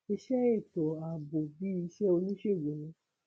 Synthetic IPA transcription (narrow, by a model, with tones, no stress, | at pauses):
e˧ʃɛ˦e˦˨tɔ˨a˨bo˨bi˦i˧ʃɛ˦o˧nĩ˦ʃe˦˨ɡo˨lõ˨˦